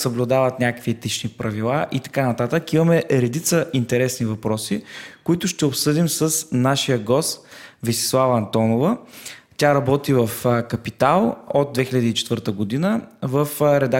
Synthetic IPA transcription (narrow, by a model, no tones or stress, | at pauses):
səblʲud̪avət̪nʲakəkviɛt̪it͡ʃnipɾɐvilˠaʔit̪ɐ̥kanɐt̪at̪əkimɐmɛɾɛd̪it̪səʔint̪ɛɾɛsnivɐpɾɔsikʊit̪ʊʃt̪ɛopsɤd̪imsəsnaʃijəɡɔst̪visɛ̥slˠavəɐnt̪ɔnovət̪ʲaɾɐbɔt̪ivəfkɐpit̪alˠod̪̚d̪vɛxilʲəd̪iːt͡ʃɛt̪vəɾt̪əɡod̪inəvəfɾɛd̪a